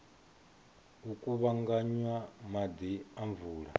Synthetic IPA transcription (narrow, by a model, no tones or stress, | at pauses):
ukʼuβaŋɡaɲwamad̪iaɱvuːɺa̰